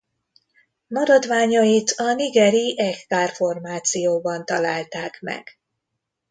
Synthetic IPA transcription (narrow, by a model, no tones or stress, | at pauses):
mɒɾɒd̪ʋaːɲɒjit̪ʰɒniɡɛɾiʔɛkkaːrfo̞rmaːt̪sijoːbɒnt̪ɒlaːlt̪aːkmɛ̰ɡ̥